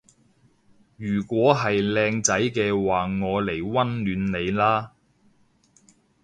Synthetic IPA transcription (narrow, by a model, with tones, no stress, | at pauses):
jyː˨˩kʷwɔː˨˥ɦɐ˨jlɛː˧ŋt͡sɐ˨˥jkɛː˧waː˨ŋɔː˨˧le˨˩jwɐ˥nlyː˨˥nle˨˧jlaː˥